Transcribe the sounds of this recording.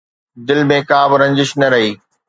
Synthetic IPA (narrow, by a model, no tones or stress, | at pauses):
d̪ɪlmẽːkaːbɪɾɐ̃ɲd͡ʑɪʃnɐɾɐɦiː